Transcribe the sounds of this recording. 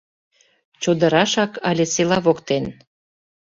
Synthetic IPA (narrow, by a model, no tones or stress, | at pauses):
t͡ɕod̪əɾɑʃɑkɑlʲeselɑβokt̪en